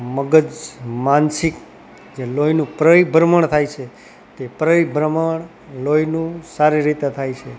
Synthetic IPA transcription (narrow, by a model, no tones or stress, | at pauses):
məɡəd͡ʒmansik | d͡ʒelojnũpɾəibʱɾəməɳt̪ʰajt͡ʃʰe | t̪epɾəibʱɾəməɳ | lojnũsaɾiɾit̪et̪ʰajt͡ʃʰe